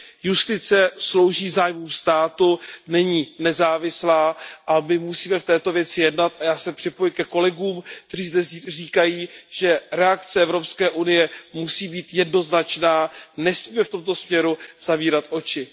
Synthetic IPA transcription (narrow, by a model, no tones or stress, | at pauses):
just̪ɪt͡sɛslo̞wʒiːzaːjmuːmst̪aːt̪unɛɲiːnɛzaːvɪslaːʔamɪmusiːmɛft̪ɛːt̪o̞vjɛt͡sɪjɛdnat̪ʔajaːsɛpr̝̥ɪpojɪkɛko̞lɛɡuːmk̚t̪ɛriːzdɛriːkajiːʒ̥ɛɾɛakt͡sɛɛvɾo̞pskɛːʔunɪjɛmusiːbiːt̪jɛdno̞znat͡ʃnaːnɛsmiːmɛft̪o̞mt̪osmɲɛɾuz̥aviːɾat̪ʔo̞t͡ʃɪ